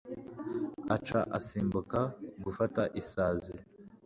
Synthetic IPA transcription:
at͡ʃa̰ʔasiːmbukaɡufataʔisaːzi

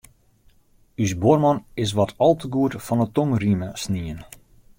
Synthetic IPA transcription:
ysbormɔnɪs̬ʋɔtʰɔlˠtəɡuətfɔnətoŋriməsniən

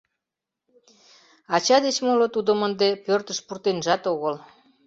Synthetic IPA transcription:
ɑt͡ɕɑd̪et͡ɕmolot̪ud̪əmənd̪epørt̪əʃpurt̪enʒɑt̪oɣəl

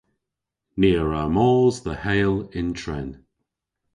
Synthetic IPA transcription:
niəɹamɔːzðəhejlɪntʰɹɛn

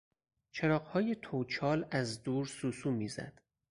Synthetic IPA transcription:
t͡ʃʰeɾɒːɢhɒːje̞t̪ʰot͡ʃʰɒːlæzd̪uːɾsuːsuːmiːzæ̰d̪̥

